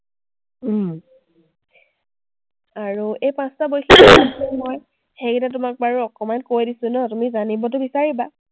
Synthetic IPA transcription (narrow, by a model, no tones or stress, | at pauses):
aɹuejpãstabojxʰiɔɛmoj | xejitat̬ʊmak̚baɹuɔkɔmankojdisʊnɔtumizanibɔt̬ʊbisaɹiba